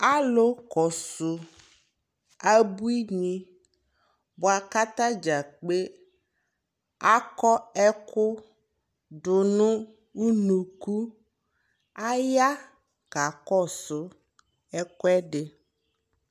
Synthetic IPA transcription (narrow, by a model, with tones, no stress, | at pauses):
a˦lo˦kɔ˨sʊ˨ | a˦bu˦i˦ɲĩ˦ | bʊ˨a˨ka˦t̪ã˦d͡ʒa˨k͡pe˦ | a˦kɔ˦ɛ˦kʊ˦ | ɖʊ˨nʊ̃˦ | wu˦nũ˨ku˦ | a˦ja˦ | ɡ̥a˨kɔ˦˨sʊ˨ | ɛ˦kʊ˦ɛ˦ɖɪ˨